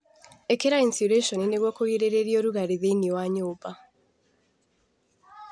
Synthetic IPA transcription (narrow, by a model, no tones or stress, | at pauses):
ɛkeɾainsiɾeʃɔnineɣwɔkoɣiɾeɾeɾioɾuɣaɾiðeniwaɲoːba